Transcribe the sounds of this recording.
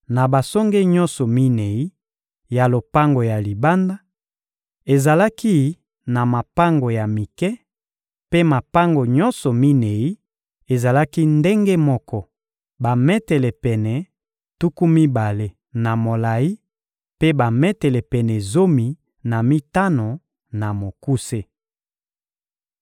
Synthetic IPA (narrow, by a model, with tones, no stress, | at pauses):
na˨ba˨so˦ŋɡe˦ɲɔ̃˦nsɔ˨mi˦ne˨i˦ | ja˨lo˨pa˦ŋɡo˨ja˨li˨ba˦nda˦ | e˨za˨la˦ki˦ | na˨ma˨pa˦ŋɡo˨ja˨mi˨kɛ˦ | pe˦ma˨pa˦ŋɡo˨ɲɔ˦nsɔ˨mi˦ne˨i˦ | e˨za˨la˦ki˦nde˦ŋɡe˦mɔ˦kɔ˦ | ba˨mɛ˦tɛ˨lɛ˨pɛ˨nɛ˨ | tu˦ku˦mi˦ba˨le˦ | na˨mo˨la˨i˦ | pe˦ba˨mɛ˦tɛ˨lɛ˨pɛ˨nɛ˨zo˦mi˨ | na˨mi˦ta˦no˨ | na˨mo˨ku˦se˦